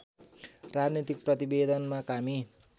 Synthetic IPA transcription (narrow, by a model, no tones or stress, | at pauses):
rad͡znit̪ik̚prʌt̪ibed̪ʌnmakami